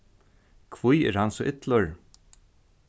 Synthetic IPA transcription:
kʰvujɛ̰ɾhansɔʔɪt̪ləɹ

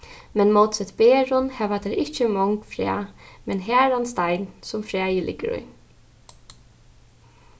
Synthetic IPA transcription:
mɛnmɔːt̪sɛt̪beːɹʊnhɛʋatd̪ɛɾɪht͡ʃəmɔŋkfɾæ̰ːmɛnɦæːɾanst̪ajnsʊmfɾæːjəlʔɪ̰ɡəɾʊ̰j

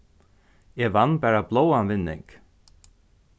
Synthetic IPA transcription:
ɛːvanbæːɹablowanvɪnːɪ̰ŋk

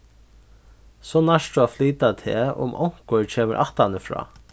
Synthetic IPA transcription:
sɔːnaʂt̪uafliːt̪at̪ʰɛ̰ːʔʊ̰mʔɔ̰wŋ̥kʊɹt͡ɕʰeːməɾʔaht̪anəfɾɑ̰ː

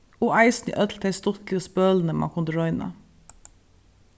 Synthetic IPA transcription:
oːʔæɪsn̩ḭʔœt̪ʰl̩t̪ʰæɪst̪ɔtɪspøːln̩əmɑ̰ːkʰʊnd̪əɹɔʏnə̰

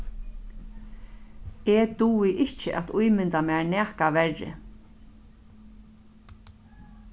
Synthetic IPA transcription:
et̪uːwɪʔɪht͡ʃɪʔa̰t̪ujmɪnt̪amaɹnɛːkaʋɛɹːɪ̰

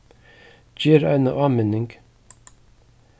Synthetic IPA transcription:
d͡ʒiːɾæ̰ɪnəʔɑːmenɪŋɡ

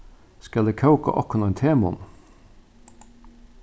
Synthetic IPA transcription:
skɑld̪eːkʰɑʉkɑ̰ʔɔkʊnːɛnt̪ʰeːmʊn

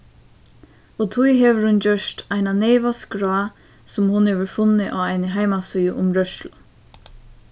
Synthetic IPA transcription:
ɔt̪ʰujɦeːʋəɾhʊnd͡ʒœʃt̪aɪnanɛɪʋaskɾɔa | sʊmhʊnheːʋəɾfʊnːɪʔaːʋaɪnɪɦaɪmasʏjʊʔʊmɾœʃlʊ

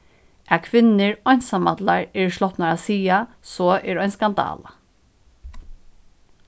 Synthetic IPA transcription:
ʔæakʰʋɪnːɪɹɔjnsamat̪laɹɛɹʂlɔht̪naɹasiːa | sɔːɛːɾajnskand̪ɑ̰ːla

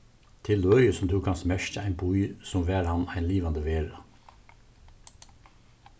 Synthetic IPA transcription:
t̪ʰɪløːɾəsɔm̩t̪ʰuːkhɑnsmɛʃtəæɪnbʰuisɔmʋæːɾhɑnæɪnliːʋɑnd̪əʋeːɹɑ

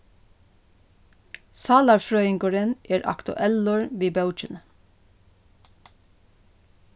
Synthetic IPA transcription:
sɑːlɑɹfɹœʏɪŋɡoːɹənʔeːɹʔɑ̰kt̪ʊ̰ʔɛlnoːɹʋiːbɑʉt͡ʃən

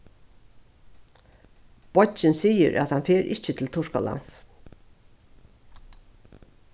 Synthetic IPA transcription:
b̥ɔt͡ʃɪnsiːə̰ɾʔæ̰t̪hɑnfeːɾʔɪt͡ʃət̪ʰɪl̩t̪ʰʊʂkɔ̰la̰ns

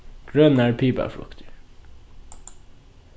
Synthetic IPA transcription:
ɡ̥ɹœnæːɹpʰiːbæ̰fɽʊ̰kt̪ʰɪ

